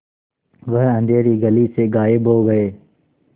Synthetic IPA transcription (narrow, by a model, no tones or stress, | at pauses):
ʋəɦə̃nd̪ʱeːɾiːɡəliːseːɡaːɪbʱɦoːɡəeː